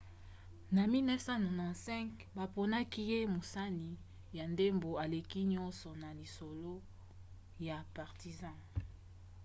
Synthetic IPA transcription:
na˨mi˦lnɛ˦fsã˦nɔ˨nã˨sɛ̃˦kba˨po˨na˦ki˦je˦mo˨sa˦ni˨ | ja˨nde˦mbo˨a˨le˨ki˦ɲɔ˦nsɔ˨na˨li˨so˨lo˦ | ja˨pa˨ʁti˨zã˦˨

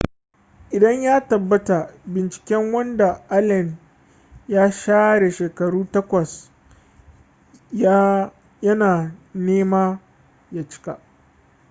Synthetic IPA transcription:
ʔɪ˨dɐ˦ɲjaː˦tɐ˨bːɐ˦ta˨bɪ˨nt͡ʃɪ̥˨kʲɛ˦ŋwɐ˦nda˨ʔa˦lɛ˨n | jaː˦ʃaː˦ɽe˨ʃeː˨kɐ˨ɽuː˦tɐ˦kʷɐ˨s | jɐ˦naː˨neː˦maː˦ | jaː˦t͡ʃɪ̥˦ka̰˨ʔ

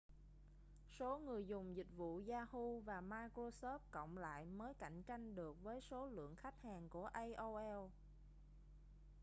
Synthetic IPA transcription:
so˨˦ŋɨ˨˩əjzʊ˨˩ŋ͡mzï˨˩k̟̚vṵ˧˨zaː˧hu˧vaː˨˩maː˧jkɹo˧sɔ˦˥p̚kə̰˧˨wŋ͡mla̰ː˧˨jməː˨˦jka̰˧˨jŋ̟t͡ɕa˧jŋ̟ɗɨ˨˩ək̚vəː˨˦jso˨˦lɨ̰˧˨əŋxa˦˥jk̟̚haː˨˩ŋku˧˩əʔə˧jʔo˧ʔɛ˧w

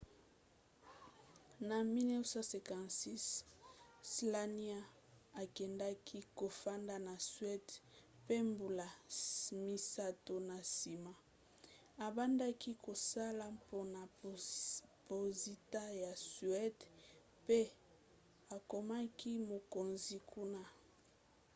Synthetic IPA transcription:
na˨mi˦nɛ˦sa˦sɛ˨kã˨nsi˦s | sla˦ni˦a˦ | a˨kɛ˨nda˦kʰi˦ko˨fa˦nda˦na˨sɥɛ˦dpe˦mbu˨la˨mi˦sa˦to˨na˨si˨ma˦ | a˨ba˦nda˦ki˦ko˨sa˦la˦po˦na˨ | po˨zi˨ta˦ja˨sɥɛ˦d | pe˦ | a˨ko˨ma˦ki˦mo˨ko˨nzi˨ku˦na˦

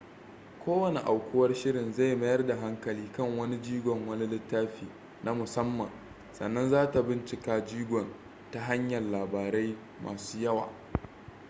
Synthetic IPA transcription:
kʷoː˦wɐ˨ne˨ʔa˨wkʷʊ˦wɐ˦rʃɪ˦ɾɪ˨nza˦˨jmɐ˦jɐ˦rda˨ɦa˦ŋkɐ˨liː˦kɐ˦˨ŋwɐ˦ni˦d͡ʒiː˦ɡʷɔ˨ŋwɐ˦ni˦lɪ˦tːaː˦ɸiː˨ | nʔa˦mʊ˨sɐ˦mːɐ˨n | sɐ̰˨nːɐ˦nzaː˦ta˨bɪ˦nt͡ʃɪ˨kaː˦d͡ʒiː˦ɡʷɔ˨n | ta˨˦ɦa˦ɲjɐ˨lːaː˨baː˨ɾa˦j | mʔa̰ː˨suː˦jɐ˦wa̰ː˨

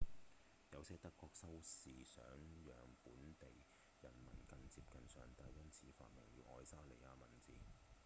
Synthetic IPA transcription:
jɐ˨˧wsɛː˧˥t̪ɐ˥kːɔː˧k̚sɐ˥wsiː˨sœ̰ː˨˥ŋjœː˨ŋpuː˨˥nt̪e˨j | jɐ˨˩nmɐ̰˨˩nkɐ˨nt͡siː˧p̚kɐ˨nsœ̰ː˨ŋt̪a˧jjɐ˥nt͡sʰiː˨˥fa̰ː˧t̚mɐ˨˩ŋjyː˨˧˥ʔɔː˧jsaː˥le˨˩jaː˧mɐ˨˩nt͡siː˨

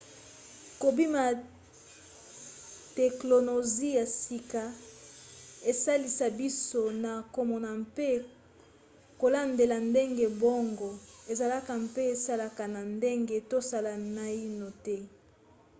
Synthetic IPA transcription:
ko˨bi˦ma˨ | tɛ˨klo˨no˨zi˦ja˨si˨ka˨ | e˨sa˦li˨sa˨bi˦so˦na˨ko˨mɔ˨na˨mpe˦ | ko˨la˦nde˨la˨nde˦ŋɡe˨bɔ˦ŋɡɔ˨e˨za˨la˦ka˨mpe˦e˨sa˦la˨ka˨na˨nde˦ŋɡe˦to˦sa˦la˨na˦i˦no˨tɛ˦

